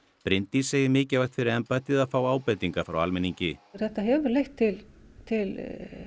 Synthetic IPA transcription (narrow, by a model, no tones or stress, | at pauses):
pɾɪnt̪iseːjɪmɪːcɪvajxt̪fɪɾɪɾɛmpajt̪ɪðaðfaːwaːwpɛjt̪iŋkafɾa̰wa̰lmɛniɲcɪθɛht̪aɦɛvʏɾlejht̪ʰːɪlt̪ʰɪl